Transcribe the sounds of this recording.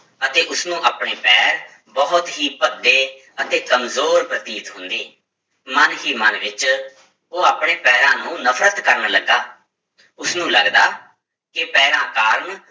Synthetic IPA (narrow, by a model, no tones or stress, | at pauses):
ət̪eːʔʊsnũːʔaːpɳeːpɛːɾ | bɔːʊt̪ɦiːpəd̪ːeː | ət̪eːkəmzoːɾpɾət̪iːt̪ɦʊ̃nd̪iː | mənɦiːmənʋɪt͡ʃ | oːaːpɳeːpɛːɾãːnũːnəpʰɾət̪kəɾnləɡaː | ʊsnũːləɡd̪aː | kɪpɛːɾãːkaːɾn